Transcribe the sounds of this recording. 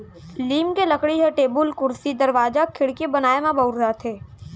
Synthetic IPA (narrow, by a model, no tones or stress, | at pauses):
liːmkelɐkɽiɦɛʈeːbʊlkʊɾsid̪ɐɾʋaːd͡ʒakʰɪɽkebɐnaːemãbɐɾat̪ʰeː